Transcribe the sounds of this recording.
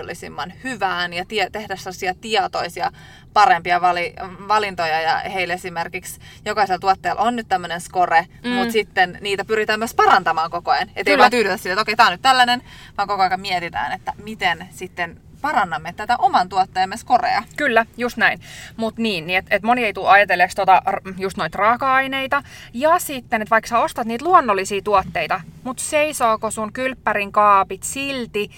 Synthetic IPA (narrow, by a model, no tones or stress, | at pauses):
olːisḭmːɑnhyʋæːnjɑt̪iet̪ehdæssemlːsiɑt̪iɑt̪oisiɑ̰ | pɑɾempiɑʋɑliʋɑlint̪ojɑjɑ̰heilesimerkiks | jokɑiselt̪uɑt̪ːeːlʔonnyt̪t̪æmːønenskore | mut̪sit̪ːenniːt̪æpyɾit̪æːmːøøspɑɾɑnt̪ɑmɑːŋkokoɑjnḛt̪ːeiɑːnt̪yːdyt̪æsilːet̪okeit̪æːonyt̪t̪ælːænen | ʋɑːŋkokoɑijkɑmmiɛt̪it̪æ̰ːnet̪ːæmit̪ensit̪ːen | pɑrɑnːɑmːet̪æt̪æʔomɑnt̪uot̪ːeːmːeskorḛɑkylːæjust̪næinmut̪niːnniet̪et̪monieit̪uɑjɑt̪elːekst̪ot̪ɑrjust̪noit̪rɑːkɑɑineit̪ɑjɑsit̪ːenet̪ʋɑiksɑost̪ɑt̪niːt̪luonːolːisiːt̪uot̪ːeit̪ɑmut̪seisoːkosuŋkylpːæɾiŋkɑːpit̪silt̪i